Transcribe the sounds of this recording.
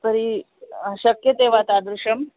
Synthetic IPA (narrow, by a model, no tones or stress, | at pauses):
t̪əɾi | ɕəkjət̪eʋat̪ad̪ɾuʂəm